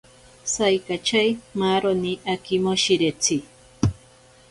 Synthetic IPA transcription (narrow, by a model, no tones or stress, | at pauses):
sajkat͡ʃajmaɾoniʔakɪmoʃɪɾet͡si